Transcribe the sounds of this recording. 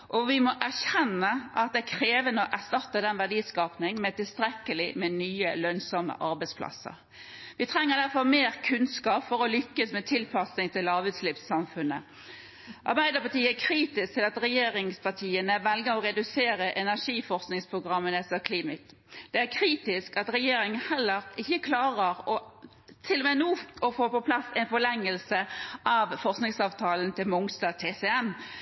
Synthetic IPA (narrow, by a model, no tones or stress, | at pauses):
ʔɔʋɪmɔʔæʁɕɛnːəʔɑt̪̚d̪ɛækʰɾeːʋənəɔʔæst̪ɑt̪ːəd̪ɛnʋæɖiːskɑːpnɪŋmɛt̪ɪlst̪ɾɛkːəlɪmɛnyːəlœnsɔmːə̰ʔɑɾbɛɪspʰlɑ̰sə̰ɾ | ʋɪt̪ʰɾɛŋːəd̪æʁfɔʁmeːɾkʰʉnskɑːpfɔɾɔlʏkːəsmɛt̪ʰɪlpʰɑsnɪŋt̪ɪlɑːʋʉːt̪slɪfsɑmfʉnːə | ʔɑ̰ʁbæɪd̪ɑpɑt̪iːæɾkʰɾiːt̪ɪsk̚t̪ʰɪlɑt̪ɾɛjeːɾɪŋspʰɑʈʰiːənəʋɛlɡəɾɔʁɛd̪ʉseːɾəʔɛnæʂiːfɔʁsknɪŋspʰʁʊɡʁɑmːənɛsəkʰliːmɪt̪ | d̪̥ɛæɾkʰɾiːt̪ɪskɑt̪ɾɛjeːɾɪŋəhɛlːəɾɪçəkʰlɑːʁəʁɔ | t̪ʰɪlːɔmeːnuːɔfoːpɔpʰlɑsɛnfɔɭɛŋːəlsəʔɑʋfɔʁsknɪŋsɑːʋt̪ʰɑːlənt̪ʰɪlmʊŋsd̪ɑːt̪ʰeːsɛɛm